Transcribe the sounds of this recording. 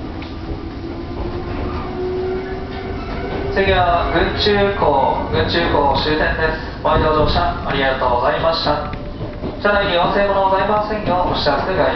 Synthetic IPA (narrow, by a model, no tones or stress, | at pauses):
seɡʲiβaɡɯ̟̃t͡ɕɨːkoːɡɯ̟̃ɲt͡ɕɨːkoːɕɨːt̪ẽ̞nd̪e̞sɨ̥baid̪od̪o̞ːɕaaɾʲiɡat̪o̞ːɡozaimaɕi̥t̪a | t͡ɕanaiɲiõse̞ːkonoɡozaimasẽ̞ɲ̃jo̞oɕi̥asɯɡa